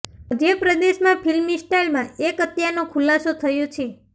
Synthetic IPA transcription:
əd̪jəpɾəd̪eʃmãpʰilmisʈajlmãekət̪janõkʰulasot̪ʰəjõt͡ʃʰe

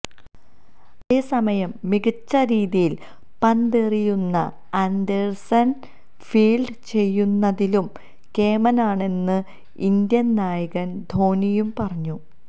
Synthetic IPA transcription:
eːsɐmɐjɐmːiɣit͡ɕːɐɾiːðijil | pɐnd̪erijunːɐ̰ | ɐnd̪ersɐn | fiːɭɖɨt͡ɕe̞jːunːɐðilum | ke̞ːmɐnaːɳe̞nːɨ | ind̪jɐnnaːjɐɣɐnd̪ʱo̞ːnijumpɐrɐɲːu

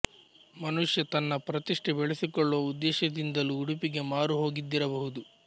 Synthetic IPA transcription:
mɐnuʂjɐt̪ɐnːɐpɾɐt̪iʂʈebeɭesikɔɭːoːud̪ːɛːʃɐd̪ind̪ɐluːɽupiɡe̞maːɾuɦo̞ːɡid̪ːiɾɐbɐɦud̪u

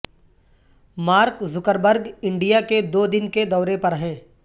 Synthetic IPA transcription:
maːɾkzʊkəɾbəɾɡɪ̃ɳɖijaked̪oːd̪ɪnked̪ɔːɾepɐɾɦɛ̃ː

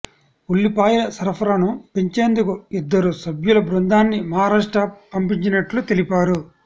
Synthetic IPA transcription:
ulːipaːjɐlɐsɐɾɐpʰɐɾɐnupeɲt͡ʃe̞ːnd̪ukuid̪ːɐɾusɐbjulɐbɾund̪aːnːimɐɦaːɾaːʂʈɐpɐmpiɲt͡ʃinɐʈlut̪elipaːɾu

